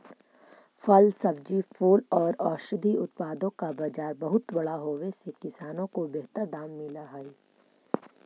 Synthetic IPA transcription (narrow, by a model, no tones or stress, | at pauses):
fʰɐlsɐb̚d͡ʒifʰoːlɔːɾɔːʃəd̪ʱiʊt̪̚paːd̪õkabaːd͡ʒaːɾbɐɦʊt̪bɐɽaɦoːʋesekɪsaːnõkobeɦt̪əɾd̪aːmːɪlaɦɛe